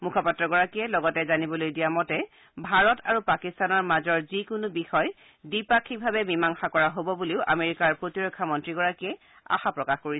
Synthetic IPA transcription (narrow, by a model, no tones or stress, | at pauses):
mukʰɔpatːɹɔɡɔɹakijɛlɔɡɔtɛzanibɔlojdijamɔtɛ | bʱaɹɔtʰaɹupakistanɔɹmazɔɹzikʊnʊbixɔj | dipakʰibʱabɛmimaŋxakɔɹaɦobɔbuliʊʔa̰meɹikaɹpɹotiɹɔkʰːamɔntɹiɡɔɹakijɛ | a̰xapɹɔkaxkoɹi